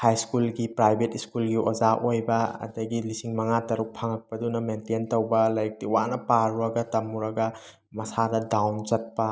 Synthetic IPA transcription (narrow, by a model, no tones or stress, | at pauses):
hajskulɡipɾajbʱetiskulɡiʔod͡ʒaʔojbɐɐ̰dɐɡilisiŋmɐŋatɐɾuk̚pʰaŋɐk̚pɐdunɐmententowbɐlɐjk̚tiwanɐpaɾuɾɐɡɐtɐmuɾɐɡɐ | mɐsadɐdawnt͡ʃɐt̚pɐ